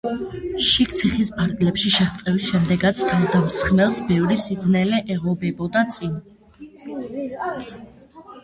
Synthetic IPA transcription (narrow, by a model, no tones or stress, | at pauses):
ʃik̚t̪sʰiχispʰaɾɡlɛpʃiʃɛχt̪sʼɛvisʃɛmd̪ɛɡat̪sʰt̪ʰavd̪amsχmɛlˠsbɛvɾisid̪znɛlɛʔɛʁɔbɛbɔd̪at̪sʼin